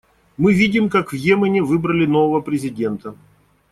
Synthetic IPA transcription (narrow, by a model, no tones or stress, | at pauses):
mɨvʲidʲɪmkakvjemənʲɪvɨbɾəlʲɪno̞vəvəpɾʲɪzʲɪdʲe̞nt̪ə